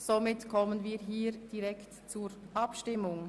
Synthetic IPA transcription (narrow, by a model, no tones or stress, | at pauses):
somɪtkʰɔmənviːɾɦiːɾd̥iʁɛkt | t͡suːɾʔɑpʃtɪmʊŋ